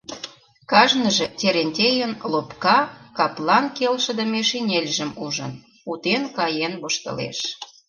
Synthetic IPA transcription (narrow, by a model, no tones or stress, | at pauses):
kɑʒnəʒĕt̪ʲeɾenʲt̪ʲejənlopkɑkɑplɑnkelʃə̆d̪ə̆meʃinʲelʲʒə̆muʒə̰n | ut̪enkɑjenβoʃt̪ə̰lḛʃ